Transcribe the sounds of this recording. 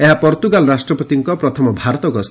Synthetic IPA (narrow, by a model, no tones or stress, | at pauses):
eɦapɔɾt̪uɡalɔɾasʈɾɔpɔt̪iŋkɔpɾɔt̪ʰɔmɔbʱaɾɔt̪ɔɡɔs